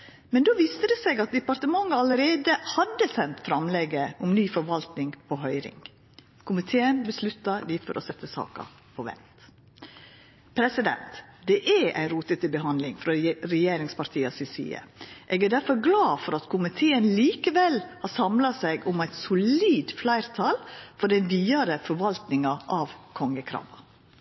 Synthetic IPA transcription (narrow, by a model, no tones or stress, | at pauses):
mɛnd̪oːʋiːst̪əd̪ɛsɛɡɑt̪̚d̪ɛpɑɾt̪əmɑŋːəɑləɾeːd̪əhɑd̪ːəsɛnt̪fɾɑmleːɡəʔʊmnyːfɔɾʋɑlt̪nɪŋpʰɔɦœʏɾɪ̰ŋ | kʰʊmɪt̪ʰeːənbəslʉt̪ːɑd̪ɪfɔ̰ɾʔɔsɛt̪ːəsɑ̰ːkə̰ | pʰɔʋɛ̰nt̪ | pʰɾɛsɪd̪ɛ̰nt̪d̪ɛʔæʔæ̰ɪnɾuːt̪ət̪ɪbəɦɑnd̪lɪŋfɾɔɾɛjeːɾɪŋspɑɾt̪ʰiːɑsɪsḭːə̰ʔeːɡæɖ̪æɾfɔɾɡlɑːfɔɾɑt̪kʰʊmɪt̪ʰeːənliːkəʋɛlhɑsɑmlɑsæɪɡʊmæɪt̪sʊliːd̪flæɪɾt̪ʰɑːlfɔɖɛnʋiːɑɾəfɔɾʋɑlt̪nɪŋɑʔɑʋkʰɔŋːəkʰɾɑ̰ːʋɑ